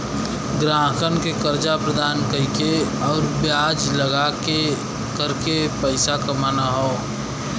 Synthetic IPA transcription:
ɡɾaːɦəkənkekəɾd͡ʒapɾəd̪ʱaːnkəikeɔːɾbjaːd͡ʒləɡake | kəɾkepəɪsakəmaːnaɦoː

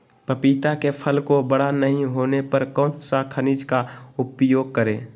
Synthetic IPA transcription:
pəpit̪akepʰəlkobəɽ̤anəɦĩɦoːnepəɾkɔːnsakʰənid͡ʒkaʊpjoːɡ̚kəɾẽː

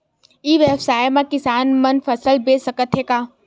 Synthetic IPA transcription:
iʋebsaːjmãkɪsaːnmɐnfʰəsəlbeːsəkət̪ɦeːkaː

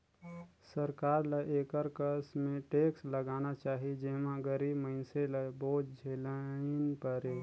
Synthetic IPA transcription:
səɾkaːɾləʔeːkəɾkəsmẽʈeːksləɡaːnat͡ʃaːɦid͡ʒeːmãɡəɾiːbməɪnseləboːd͡ʒd͡ʒʱeːlənpəɾe

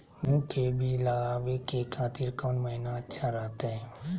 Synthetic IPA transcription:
mũːkʰebʱilaɡaːʋekekʰaːt̪ɪɾkɔːnməɦinaətːʃʰaɾɛɦt̪eɦɛ̃ː

